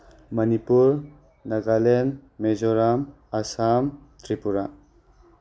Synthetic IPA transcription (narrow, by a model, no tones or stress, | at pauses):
mɐnipuɾ | nɐɡalenmezɔɾam | ɐsamtɾipuɾa